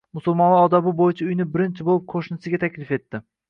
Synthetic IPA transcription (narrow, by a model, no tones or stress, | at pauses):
mʊsʊlˠmɒnaɒd̪abɪbojɪt͡ʃʰaʊjnɪbɪɾɪnt͡ʃʰɪbolˠɪp̚qʰoʃnɪsɪɡʲat̪ʰakʲlɪfe̞t̪ːɪ